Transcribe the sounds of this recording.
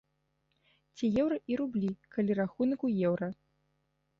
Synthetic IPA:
t͡sʲijɛwɾɐʔiɾublʲikalʲiɾaxunɐkujɛwɾɐ

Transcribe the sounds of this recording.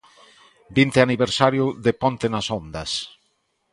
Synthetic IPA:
bint̪eaniβeɾsaɾjʊðepõnt̪enasond̪ɐs

